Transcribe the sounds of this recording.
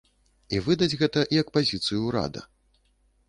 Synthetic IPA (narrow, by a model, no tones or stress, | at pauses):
ivɨd̪ɐd͡zʲɣɛt̪ɐʔijɐkpazʲit̪sɨjuɾa̰d̪ɐ̰